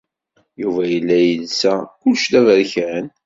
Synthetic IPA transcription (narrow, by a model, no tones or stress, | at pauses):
juvæjəlːæjəlsækʊlːʃd̪ævəɾçæn